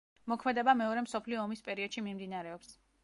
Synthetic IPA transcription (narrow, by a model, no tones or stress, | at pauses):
mɔkʰmɛd̪ɛbamɛɔɾɛmsɔpʰliɔːmispʼɛɾiɔd̪̥ʃimimd̪inaɾɛɔps